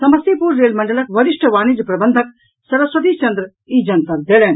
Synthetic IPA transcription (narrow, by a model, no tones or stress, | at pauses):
sɐmɐst̪ipuɾːeːlmɐɳɖəlɐkʋɐɾɪʂʈʰəʋaːnid͡ʒpɾɐbənd̪ʱək | sɐɾɐsʋɐd̪it͡ʃɐnd̪ɾə | iːd͡ʒɐnt̪ɐɾd̪eːleːn